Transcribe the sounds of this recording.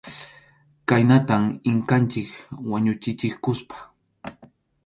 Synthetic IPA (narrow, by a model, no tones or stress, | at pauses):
kajnat̪amɪŋkant͡ʃɪkwaɲʊt͡ʃɪt͡ʃɪkʊspḁ